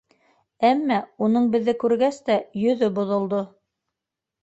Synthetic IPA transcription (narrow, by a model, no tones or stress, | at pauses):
æmːæunɤɴbɘ̆ðːɘkʉɾɡæst̪æjɵ̆ðɵbŏðŏlˠd̪o